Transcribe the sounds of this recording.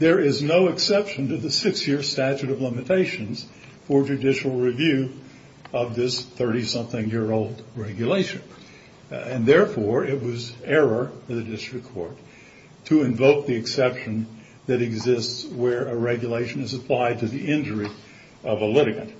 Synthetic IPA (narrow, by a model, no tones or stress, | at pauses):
ðə˞ɪznoʊɨksɛpʃɨ̃ntɨðɨsɪksjɪɹstæt͡ʃʉɾʌvlɪ̃mɨtʰeɪʃɨ̃nz̥ | fə˞d͡ʒɨdɪʃl̩ˠɹɪvjʉ | ʌvðɪsθɜ˞ɾisʌ̃mθɪ̃ŋjɪɹoʊlˠdɹɛɡjɨleɪʃɨ̃n | ɨ̃nðɛɹfɔɹɪt̚wʌzɛɹə˞ɨðɨdɪstɹ̥ɨkʰɔ̰ɹtʰ | ɨɨ̃ɱvoʊk̚ðiɨksɛpʃɨ̃n | ðɨɾɨɡzɪstswə˞ɨɹɛɡjɨleɪʃɨ̃nɨzɨpʰl̥aɪd̚tʰɨðiʔɪ̃nd͡ʒə˞i | ʌvəlɪɾɨkɨ̰̃n